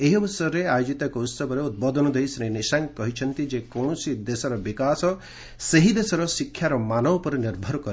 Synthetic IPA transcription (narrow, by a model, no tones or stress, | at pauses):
eɦiɔbɔsɔɾeajod͡ʒit̪akɔut̪sɔbɔɾeut̪̚bɔd̪ʱɔnɔd̪ejsɾẽnisaŋkɔɦit͡ʃʰɔnt̪id͡ʒekɔɳ̃ɔsid̪esɔɾɔbikasɔ | seɦid̪esɔɾɔsikʰːjaɾɔmanɔwpɔɾniɾbʱɔɾkɔɾ